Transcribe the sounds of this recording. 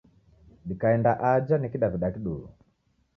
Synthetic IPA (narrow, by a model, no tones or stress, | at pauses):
ɗikaɛndaʔad͡ʒanɛkiɗaviɗakiɗuu